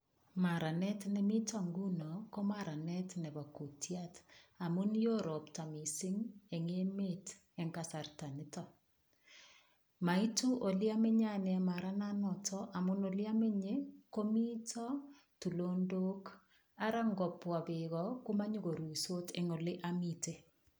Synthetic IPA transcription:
ma˨ɾa˨nɛ˦tnɛ˨mi˦ta˨ŋɡu˦no˨ko˦maɾa˨nɛ˦tnɛ˨ba˨ku˨tjata˨mu˦njo˦ɾɔ˨pta˨mi˨sɪ˦ŋɛ˨ŋe˦me˦t | ɛ˨ŋka˨sa˨rta˨nɪ˦tɔ | ma˨i˦tu˦ʔo˨lja˦me˦ɲa˦nɛ˨ɛ˨ma˨ɾa˦nanɔ˨tʰɔ˦ʔa˨mʊ˦no˨lja˦me˦ɲeko˦mi˦tɔ˦ | tu˨lo˦ndo˦k | a˦ɾa˦ŋɡɔ˨pwa˨bɪ˨ɣɔ˨ko˦ma˦ɲo˦ɡo˨ɾu˨so˦te˨ŋo˨le˦ʔamite˦

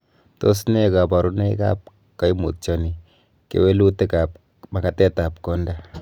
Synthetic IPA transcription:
to˦s̬ne˦ka˨ba˨ɾu˦ne˦ka̰˦p̚ | ka˦jmṵ˨t̚t͡ʃɔ˨ni˨ | kḛ˨we˦lu˦te˦ka˨p̚ | ma˨ka˨tɛ˦ta˨p̚kɔ˦nda˦

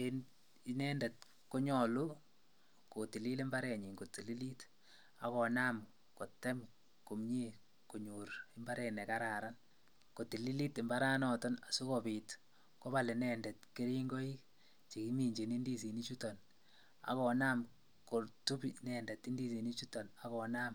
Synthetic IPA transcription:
en | inɛ˦ndɛ˨t | ko˦ɲɔ˨lu˦ | ko˨ti˨li˦le˦mba˦ɾɛ˨ɲi˨ŋɡo˨ti˨li˦li˦t | a˨kɔ˨na˦m | ko˨tɛ˦m | ko˨mɲi˦ | ko˨ɲuɾe˦mba˦ɾɛnɛ˨kaɾa˨ɾan | ko˨ti˨li˦li˦te˨mba˦ɾa˦nɔ˨tɔ˦na˨su˦kopi˨t | ko˦ba˨le˨nɛ˨ndɛ˨tke˦ɾi˦ŋɡo˦i˦k | t͡ʃe˨ki˦mi˨ɲd͡ʒe˨ni˦ndi˦s̬i˨ni˦t͡ʃu˦tɔ˨n | a̰˨kɔ˨na˦m | ko˨ɾtu˦pnɛ˨ndɛ˨ti˦ndi˦si˨ni˦t͡ʃu˦tɔ˨na˨kɔ˨na˦m

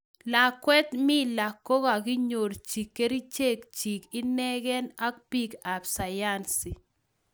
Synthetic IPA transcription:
la˨kwɛ˦t̪mɪ˦la˨kːo˦ka˨ɡɪ˦ɲo˨ɾt͡ʃi˨kːe˦ɾi˦t͡ʃe˦˨kt͡ʃi˨kɪ˦nɛ˦ɡɛ˦na˦k̚pi˦ka˨bsa˨ja˦nsi˨

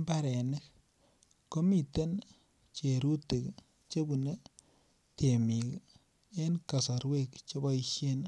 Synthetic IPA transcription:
mba˦ɾe˨nɪ˦k̚ː | ko˦mi˨te˦n | t͡ʃe˨ɾu˦te˨k | t͡ʃe˦bu˨ne˦ | te˨mi˨k | e˦nka˨sa˨ɾwe˦kt͡ʃo˦bɔ˦iʃe˦n

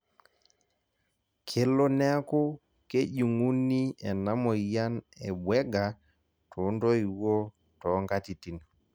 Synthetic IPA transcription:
kʰe˨˦lɔ˦nɛ˦a˦ko˦ | ke˦ʄu˨ŋu˦ni˦ɛ˨na˦mɔ˨ija˦nɛ˨ɓwɛ˦ɡa | tʰo˨ndɔ˦i˨wɔ˦ | tɔ˨ŋɡa˦ti˨ti˨n

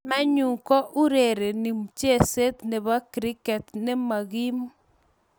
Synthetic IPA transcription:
ma˦ɲu˨ŋkɔ˦ʔu˦ɾe˨ɾe˨ni˨mt͡ʃe˦˨se˦t̪ne˨βa˦kɾɪ˦kɛ˨t̪ne˦ma˨ɣi˦m

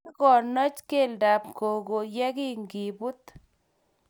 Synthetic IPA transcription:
kɔ˨nɔ˦t͡ʃke˦˨lda˨p̚ko˨ɡo˨jɛ˦ki˦ŋɡi˨bu˦t̪

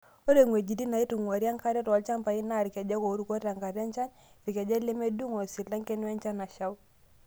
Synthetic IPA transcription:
o˦ɾe˨ŋwe˨d͡ʒi˨ti˦na˨i˦tu˨ŋwa˨ɾja˦ŋka˦ɾɛ˦tːlt͡ʃa˦mpa˨i˦na˦˨ɾi˨ka˨d͡ʒa˦ko˨˦ɾu˨ko˦ta˨ŋka˨ɾja˦nt͡ʃa˦n | ɾi˨kɛ˨d͡ʒa˦le˦me˦du˦ŋo˨si˨la˦ŋke˦nwɛ˦nt͡ʃa˦na˨ʃa˦w

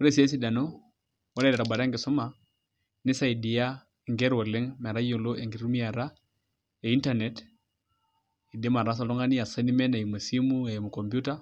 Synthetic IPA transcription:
o˦ɾe˦si˦e˦s̬i˦da˨no˦ | wɔ˦lɛ˦dɛ˨ɾa˨ba˨ɾa˦ŋɡɪ˨sɔ˦ma˨ | nɪ˦sa˦i˨di˨ja˦ | e˨ŋɡe˦ɾwɔ˨le˦ŋmɛ˨ɾa˦jo˨lo˦ʔe˨ŋɡi˨ɾu˦mi˦a˨ɾa˦ | e˨i˦nta˦nɛ˦t | i˨de˦ma˨ɾa˦s̬a˨lɔ˦ŋa˦ni˦a˨se˦ni˦mɛ˦na˨i˨mo˨si˦mu˦e˨mu˨kɔ˨mbju˦ta˦

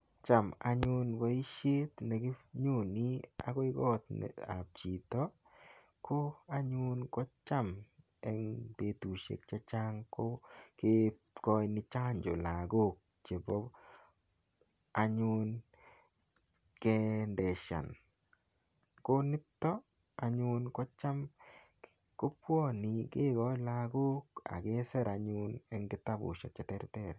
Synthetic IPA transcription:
t͡ʃa˨ma̰˦ɲʊ˦nwa˨˦i˦ʃe˦t̪nɛ˨ɡɪ˦ɲu˦˨ni˦a̰˦kɔ˦i˦ɡɔ˦t̪nɛ̰˨a̰˨p̚t͡ʃi˨t̪ɔ˦ | ko˦a˦ɲu˦nkɔ˦t͡ʃa˦m | ɛ˦ŋte˨˦t̪u˨ʃḛ˨k̚t͡ʃa˦t͡ʃa˦ŋko˦ke˦ | kɔ˦jnɪ˦t͡ʃa˦ɲd͡ʒo˨la˨ɡo˦˨k̚ | t͡ʃe˨bɔ˦ | a˨ɲʊn | kɛ˦ndɛ˨ʃa̰˨n | ko˦nɪ˦tːɔ˦ | aɲʊ˦nkɔ˦t͡ʃa˦m | ko˦pwɔ˦nɪ˨ɡe˦ɡɔ˦jlaɡo˦ka̰˨ɡe˦sɛ˦ɾaɲʊnɛ˦ŋɡɪ˦ta˦bʊ̰˨ʃɔ˨t͡ʃɛ˨tɛɾtɛɾ

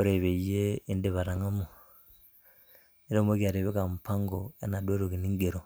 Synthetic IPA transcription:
o˦ɾe˨βe˨je˦i˦nde˨βa˨ɾa˨ŋa˦mo˨ | ne˦ɾo˦m˦o˦ki˦a˨ɾe˨βe˦ka˨mu˨pʰa˦ŋɡo˨e˦na˨dwo˦ɾo˨ki˨ni˦ŋɡe˨ɾo˨

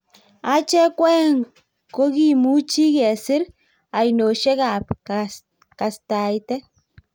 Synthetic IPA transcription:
a˦t͡ʃɛ˦kwɛ˦ŋ | ko˦ki˨mu˦t͡ʃi˦kɛ˨sɪ˦ɾ | a˨jno˨ʃe˦ka˨p | ka˨sta˨jtɛ˦

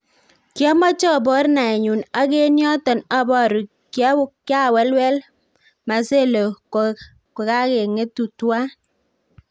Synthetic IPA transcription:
kjɔ˦mɔ˦t͡ʃɔ˦˨bɔ˦ɾna˨ɛ˨ɲu˨na˦ke˦njɔ˦tɔ˨na˦bɔ˦˨ɾu˨ | kja˦wʊ˦kja˦˨wɛ˦lwɛ˦l | ma˨se˦˨lo˨ | ko˨ka˦ke˨ŋe˦tu˨twa˦

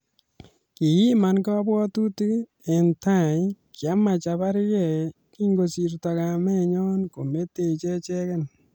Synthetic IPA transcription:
ki˨ji˦ma˨nka˦bwɔ˦tu˦ti˦ | e˨nta˦˨kja˦ma˨t͡ʃa˨ba˦ɾjɛ˦˨ | ki˦ŋɡo˨si˨ɾtɔ˨ka˨mɛ˦ɲɔ˦nko˨me˦tːe˨t͡ʃe˦t͡ʃɛ˦kɛ˦n

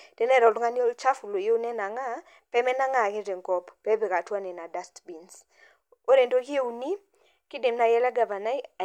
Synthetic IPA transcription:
d̥e˦nɛ˦ɾɔ˨ldŋa˦n˦o˦lt͡ʃa˦fu˨lo˨je˦u˦nɛ˦na˨ŋa˦ | pɛ˦mɛ˦na˦ŋa˦˨ke˦te˨ŋkɔ˦pːɛ˦be˨ka˨twa˦nɛ˨na˨da˦stbi˨ns | o˦ɾe˨ndo˦kɪ˦e˦u˨ni˦ | kɪ˦de˨mna˨jɛ˦lɛ˦ɡa˨va˨na˦i˦a˨

